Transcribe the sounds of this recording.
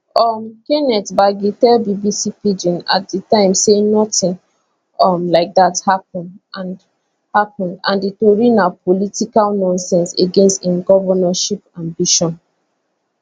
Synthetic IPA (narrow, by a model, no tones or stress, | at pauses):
ɔmkenɛtbaɡitɛlbibisipid͡ʒɔ̃na̰t̚dətãɪ̃msenɔtĩn | ɔmlaɪk̚dathap̚ɔ̃nãn | hapɔ̃ndã̰nditoɹinalpolitikalnɔ̃nsɛ̃nseɡẽnstĩnɡɔvənaʃipãmbiʃɔ̃n